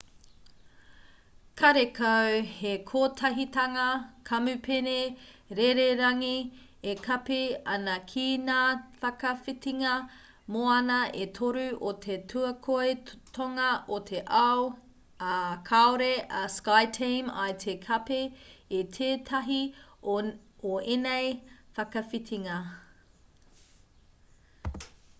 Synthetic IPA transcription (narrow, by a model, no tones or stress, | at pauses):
kʰɐɾekʰawhekʰoːtʰɐɦitɐŋɐkʰɐmʉpene | ɾeɾeɾɐŋi | ekʰɐpeɐnɐkʰiːnafɐkɐfitiŋɐ | moɐnɐʔet̪ʰoɾʉʔotʰetʰʉɐkʰoetʰoŋɐʔot̪ʰeʔɐw | kʰaoɾeɐskajtʰejma̰jt̪ʰekʰɐpeːt̪ʰeːtʰɐɦi | oenejfɐkɐfitʰiŋɐ